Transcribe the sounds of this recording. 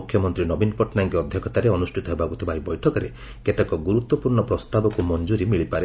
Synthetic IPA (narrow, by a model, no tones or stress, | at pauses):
ukʰjɔmɔnt̪ɾinɔbinɔpɔʈnaŋkiɔd̪ʱjɔkʰɔt̪aɾeɔnusʈʰit̪ɔɦebakut̪ʰibaɦibɔjʈʰɔkɔɾe | ket̪ekɔɡuɾut̪wɔpuɾɳɔpɾɔst̪abɔkumɔnd͡ʒuɾimiɭipaɾe